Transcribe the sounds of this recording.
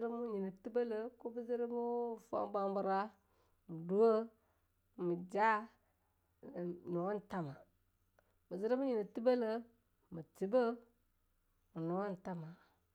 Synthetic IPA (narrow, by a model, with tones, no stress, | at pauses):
ɾə˦mu˦ɲi˨nə˨ti˦bə˦lə˨ku˦bə˦zi˦ɾə˦mu˦˨fo̰˦ba˦m˦bu˦ɾa˦ | mu˨du˦wə˦ | mi˨d͡ʒa˦˨ | nu˨wa˦n˨ta˦ma˨ | mə˨zi˦ɾi˦mu˦ɲi˨nə˨ti˦bə˦lə˦ | mə˨ti˨bə˦ | mu˨nu˨wa˦n̩˨ta˦ma˨